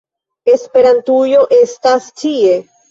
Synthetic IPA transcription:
espeɾant̪ujoʔe̞stast͡ʃie

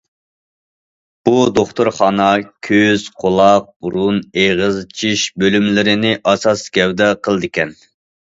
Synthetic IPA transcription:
b̥ud̪oχt̪ʊɾχɑːnɑkʲʰøz̥qʰolˠɑq̚buɾuneʁəzt͡ʃʰiʃbølymlɪɾɪnɪʔɑsɑsɡʲɛwd̪ɛqʰəlˠd̪ɪkʲɛn

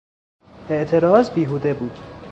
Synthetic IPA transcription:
e̞ʔt̪ʰe̞ɾɒːzbiːɦuːd̪e̞buːd̪̥

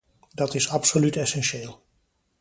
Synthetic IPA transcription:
dɑtɪsɑpsolytɛsɛnʃeːlˠ

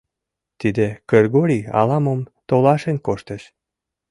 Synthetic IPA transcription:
t̪id̪ekerɡoɾʲiɑ̰lɑmomt̪olɑʃenkoʃt̪əʃ

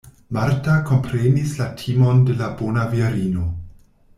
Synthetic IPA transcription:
maɾtako̞mpɾenislatʰimo̞nde̞labonaviɾino̞

